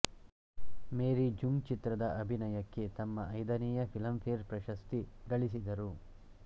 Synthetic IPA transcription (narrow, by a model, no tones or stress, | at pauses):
meːɾid͡ʒuŋɡt͡ʃit̪ɾɐd̪ɐʔɐbʱinɐjɐkːe̞t̪ɐmːɐɐjd̪ɐniːjɐpʰilɐmpʰeːɾpɾɐʃɐst̪iɡɐɭisid̪ɐɾu